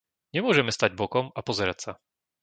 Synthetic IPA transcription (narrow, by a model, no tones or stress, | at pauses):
ɲɛmʊɔʒɛmɛst̪aɟbɔkɔmapɔzɛɾacsa